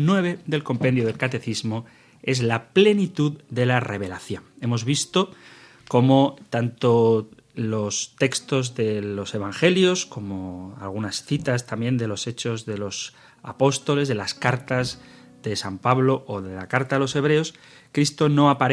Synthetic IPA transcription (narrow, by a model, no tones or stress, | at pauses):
nwe̞βe̞ðe̞lko̞mpe̞nd̪joð̞e̞lkat̪e̞θizmo̞ | e̞zlaple̞nit̪uðd̪e̞lare̞βe̞laθjo̞ne̞mo̞zβ̞ist̪o̞ | ko̞mo̞t̪ant̪o̞ | lo̞st̪e̞kst̪o̞zðe̞lo̞se̞β̞aŋxe̞ljo̞sko̞mo̞a̰lɣ̞unasθit̪ast̪ambje̞nd̪e̞lo̞se̞t͡ʃo̞zðe̞lo̞s | apo̞st̪o̞le̞zðe̞laskaɾt̪az | ðe̞sampaβlo̞ʔːðe̞lakaɾt̪aelo̞se̞β̞ɾe̞o̞s | kɾist̪o̞no̞apaɾ